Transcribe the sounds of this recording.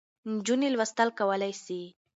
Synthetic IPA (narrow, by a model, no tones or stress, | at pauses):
nd͡ʒunilwast̪alkawəlajsi